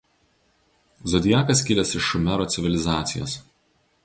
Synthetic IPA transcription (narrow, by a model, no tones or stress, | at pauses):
zɔd̪ʲɪjæːkɐs̬kʲɪlʲɛsɪʃːʊmʲɛɾoːt̪sʲɪʋʲɪlʲɪzɑːt̪sʲɪjo̰ːs